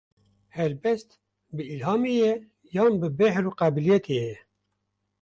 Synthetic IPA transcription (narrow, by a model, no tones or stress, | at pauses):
hɛlbɛst̪ | bɨilhɑːmejɛ | jɑːnbɨbɛhɾuːqæbilijɛt̪ʰejɛ